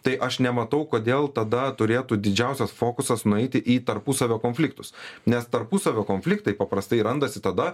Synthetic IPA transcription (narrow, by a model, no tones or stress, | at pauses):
t̪ɐɪʔɐʃnʲɛmɐt̪ɐʊkoːd̪ʲeːlˠt̪ɐd̪ɐt̪ʊɾʲeːt̪ud̪ʲɪd͡ʒʲɛʊsʲɛsfoːkʊsɐsnʊɛɪt̪ʲɪʔiːt̪ɐɾpusɐʋʲoːkoːnʲfʲlʲɪk̚t̪ʊsnʲɛst̪ɐɾpusɐʋʲoːkoːnʲfʲlʲɪkt̪ɐɪpɐpɾɐst̪ɐɪɾɐnd̪ɐsʲɪt̪ɐd̪ɐ